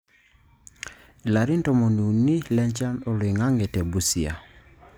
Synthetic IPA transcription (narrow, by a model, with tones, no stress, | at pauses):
i˨la˨ɾi˦ntɔ˨mɔ˨ni˨u˨ni˦lɛ˦ɲt͡ʃa˦nɔ˨lwi˨ŋa˦ŋɡɛ˨tɛ˨bu˨si˨a̰˨